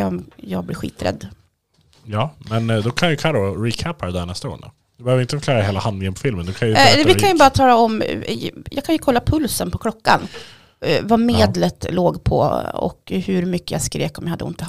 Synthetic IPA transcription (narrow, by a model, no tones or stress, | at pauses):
ɔmjɑːɡb̪ɪɾɧḭːt̪ɾɛ̰d̪ː | jɑːmɛnd̪ɔkʰanjəkʰalːoɾiːkʰæpaɾɛd̪æɳɛst̪aɡo̰ːɳa̰ | d̪̥ɵbɛhøːvɾɪnəfœɾkʰlɑːɾaɦeːlahand̪ɪŋənpʰɔfɪlmənd̪ɔkʰanjvɪkʰanjɵbɑːɾat̪ʰɑːlaɔm | jɑ̰ːɡkʰanjəkʰɔlːapʰɵlsənpʰɔkʰlɔkːa̰n | vameːd̪lət̪loːɡpʰɔ̰ɔ̰khɵɾmʏkːəja̰skɾḛːkɔmjahad̪ːəɪ̰nt̪ə